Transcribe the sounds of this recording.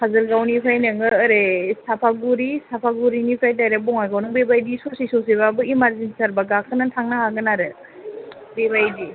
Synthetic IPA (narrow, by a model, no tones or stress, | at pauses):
pʰazɯɾɡawnipʰajnɯŋɯɾesapʰaɡuɾisapʰaɡuɾinipʰajt̬ajɾebɔŋajɡawnɯŋbebajdisosisos̬iβabɯimaɾzinsaɾbaɡakʰɯnantʰaŋnahaɡɯnaɾɯ | bebajdi